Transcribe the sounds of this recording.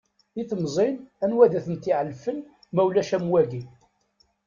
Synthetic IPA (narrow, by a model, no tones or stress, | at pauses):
iθmzˤinænwæðæθənt̪iʕəlfən | mæwlæʃæmwæɡi